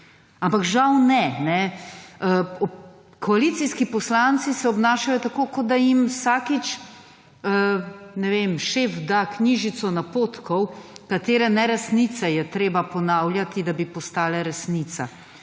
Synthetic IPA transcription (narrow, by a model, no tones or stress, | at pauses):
ampakʒawnɛnɛəɔ | kʰɔalit̪siskipɔslant̪sisɛɔbnaːʃajɔt̪akoːkɔd̪̚d̪ajimsaːkit͡ʃ | ənɛʋemʃefd̪akniʒit̪sɔnapoːt̪kɔwkat̪eːɾɛnɛɾɛsnit̪sɛjɛt̪ɾeːbapɔnaːwlʲjat̪id̪abipɔst̪aːlɛɾɛsnit̪sa̰